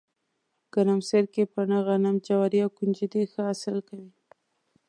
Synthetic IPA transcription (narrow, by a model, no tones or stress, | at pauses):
kanamseɾkepənaɣanamd͡ʒawaɾiawkund͡ʒid̪exəasɪlkawi